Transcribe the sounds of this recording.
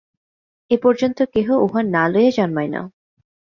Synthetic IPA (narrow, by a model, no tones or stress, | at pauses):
epɔɾd͡ʑont̪okeɦoʔoɦanːalojed͡ʑɔnmajna̰